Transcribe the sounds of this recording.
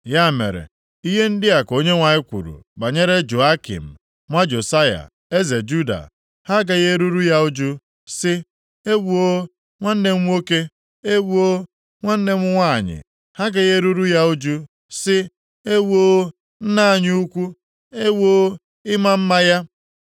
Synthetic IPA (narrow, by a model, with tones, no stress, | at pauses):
ja˦˨mḛ˨ɾḛ˨ | i˦ɦe˦n̩˦dɪ˦a˨ko˦ɲe˦ŋʷa˨ɪ˦kʷṵ˨ɾṵ˨ɡ͡ba˨ɲe˦ɾe˦d͡ʒo˨a˦kḭ˨m̩˨ | ŋʷa˦d͡ʒo˨sa˦ja̰˨ | e˦ze˨d͡ʒu˦da̰˨ | ha˦ɡe˨ɣe˦ɾu˦ɾu˦ja˦u˦d͡ʒu˦ | sɪ˦ | e˦wu˨o˦ | ŋʷa˦n̩˦ne˨ŋ̩ʷ˦o˦ke˦ | e˦wu˦o˦ | ŋʷa˦n̩˦ne˦ŋʷʊ˦ŋʷa˦˨ɲɪ̰˨ | ha˦ɡe˨ɣe˦ɾu˦ɾu˦ja˦u˦d͡ʒu˦ | sɪ˦ | e˦wo˦ | n̩˦na˦˨ɲ˦u˦kʷu˦ | e˦wo˦ | ɪ˦ma˦m̩˦ma˦ja˦